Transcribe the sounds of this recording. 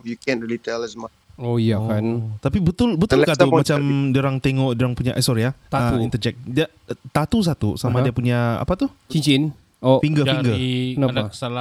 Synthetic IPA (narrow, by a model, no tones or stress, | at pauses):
fjukɛ̃nɹilitɛlɛsmat͡ʃojakant̪apibət̪ʊlbət̪ulkat̪umat͡ʃamdəɾaŋt̪eŋɔʔdəɾaŋpuɲaʔajsɔɾiaht̪aəuint̪əd͡ʒɛk̚dia | t̪at̪us̬at̪ṵsamadiapuɲaa̰pat̪uht͡ʃiɲt͡ʃin | ofiŋɡəfiŋɡənasala